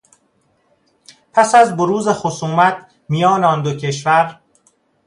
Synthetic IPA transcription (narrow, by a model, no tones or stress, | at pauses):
pʰæsæzboɾuːzexosuːmæt̪̚ʰ | mijɒːneɒnd̪ocʰe̞ʃvæɾ